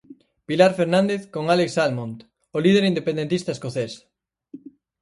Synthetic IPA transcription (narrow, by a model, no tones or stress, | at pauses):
pilaɾfeɾnãnd̪eθkoŋaleksalmont̪ | olið̞eɾind̪epẽnd̪ent̪ist̪aeskoθes